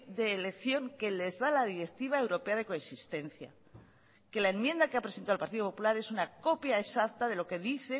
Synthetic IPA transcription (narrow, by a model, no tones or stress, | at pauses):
d̪e̞ːlekθjo̞ŋke̞le̞zðalaðiɾe̞kt̪iβ̞ae̞wɾo̞pe̞að̞e̞ko̞esist̪e̞n̟θja̰ | ke̞lae̞mjẽ̞nd̪akeapɾeent̪alpaɾt̪iðo̞po̞pulaɾe̞sunako̞pjaesakt̪aðe̞lo̞ke̞ðiθe̞